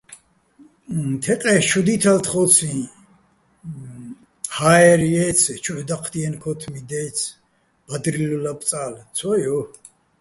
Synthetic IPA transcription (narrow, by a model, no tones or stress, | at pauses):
t̪ʰɛqʼɛʃʰɔd̪it̪ʰalt̪ʰχɔt͡sʰĩ | haɛɾjɛt͡sʰt͡ʃʰuʕd̪aqʰd̪iɛnkʰɔt̪ʰmid̪ɛt͡sʰ | b̥ad̪ɾilulap̪ʼt͡sʼaːlt͡sʰɔjɔ